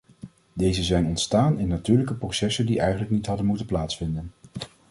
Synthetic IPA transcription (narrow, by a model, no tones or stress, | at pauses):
dejzəzɛjnɔntstaːnɪnːatyːɹləkəprosɛsəndiʔɛjχənləknitɦɑdənmutənplaːtsfɪndən